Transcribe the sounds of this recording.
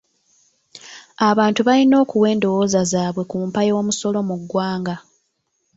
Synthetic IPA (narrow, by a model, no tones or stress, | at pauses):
aβaːntuβalino̞ːkuwe̞ːndo̞woːzazaːβwe̞kuːmpajo̞ːmuso̞lo̞muɡːwaːŋɡa